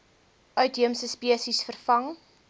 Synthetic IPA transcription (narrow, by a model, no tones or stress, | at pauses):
ʔœɥtɦiəmsəspiəsisfərfɐŋ